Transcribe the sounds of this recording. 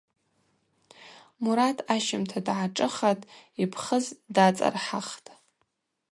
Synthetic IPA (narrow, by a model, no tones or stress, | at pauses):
muɾatʰaʃɪmtʰadʕaʈ͡ʂʼɨχatʼipʰχəzdat͡sʼa̰rħaχtʼ